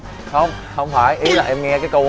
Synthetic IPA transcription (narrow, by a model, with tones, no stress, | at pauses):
hə˧wŋ͡m | hə˧wŋ͡mfaː˧˩jʔi˨˦˥la̰ː˨˩ʔɛ˧mŋɛ˧kaː˨˦jkə˧w